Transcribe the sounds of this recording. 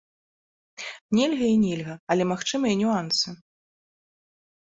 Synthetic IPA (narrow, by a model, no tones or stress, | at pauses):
nʲelʲɣɐinʲelʲɣɐɐlʲɛmaxt͡ʂɨmɐjɐnʲuansɨ